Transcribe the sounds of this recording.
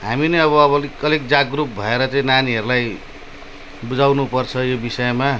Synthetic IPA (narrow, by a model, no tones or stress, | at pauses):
ɦaminʌjʌβʌːβʌlkʌlek̚d͡zaɡrup̚bʱʌeɾʌt͡sʌĩnaniɦʌɾulaj | bud͡zawnupʌrt͡sʰʌjobisʌema